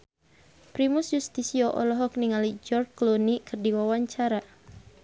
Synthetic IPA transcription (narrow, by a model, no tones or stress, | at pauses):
pɾimusjust̪isiɔʔɔ̰lɔɦɔk̚niŋalid͡ʒɔrklonikʰɨrdiwawaɲt͡ʃaɾa